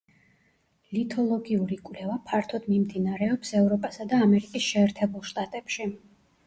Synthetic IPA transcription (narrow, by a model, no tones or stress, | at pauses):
lit̪ʰɔlˠɔɡiuɾikʼwvlɛvapʰaɾt̪ʰɔd̪mimd̪inaɾɛɔpsɛvɾɔpʼasad̪aːmɛɾikʼisʃɛːɾt̪ʰɛbulˠʃt̪ʼat̪ʼɛpʃi